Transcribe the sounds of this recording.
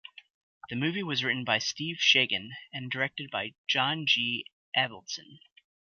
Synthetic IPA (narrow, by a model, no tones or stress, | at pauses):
ðɨmʉviwʌzɹɪʔn̩baɪstiv̥ʃeɪɡɨ̃nɨ̃ndə˞ɛk̚tɨd̚baɪd͡ʒɑ̃nd͡ʒi | ʔɛvl̩ˠsɨ̃n